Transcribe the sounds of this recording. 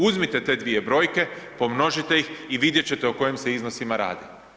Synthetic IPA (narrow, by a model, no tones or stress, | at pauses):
uzmit̪e̞t̪e̞ːd̪ʋije̞bɾo̞ːjke̞po̞mno̞ʒit̪e̞jixiʋid̪jet͡ɕe̞t̪eoko̞jemse̞iznosimaɾa̰ːd̪i